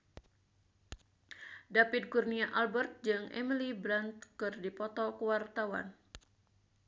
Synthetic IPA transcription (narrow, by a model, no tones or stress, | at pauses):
dapit̪̚kurniaʔalbərt̪̚d͡ʒɨŋɛ̰milibɾant̪kɨrdipɔt̪ɔkəwart̪awa̰n